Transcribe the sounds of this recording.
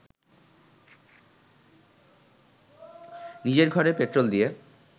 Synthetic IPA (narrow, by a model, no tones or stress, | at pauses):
nid͡ʑeɾɡʱɔɾepet̪ɾold̪ije